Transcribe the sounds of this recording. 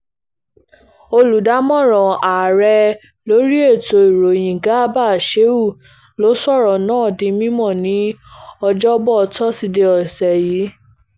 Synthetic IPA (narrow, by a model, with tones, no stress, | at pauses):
o˧lu˨da˨˦mɔ̃˦˨ɾ̃ɔ̃˨a˨ɾɛ˧ | lo˦ɾi˦e˦˨to˧i˨ɾo˨j̃ĩ˨ɡa˨˦ba˦˨ʃe˨˦u˦˨ | lo˨˦sɔ˦˨ɾɔ˨nãː˦˨dĩ˧mĩ˦mɔ̃˦˨nĩ˨˦ɔ˧d͡ʒɔ˦bɔ˦˧tɔ˦si˧de˧ɔ˨sɛ˨ji˨˦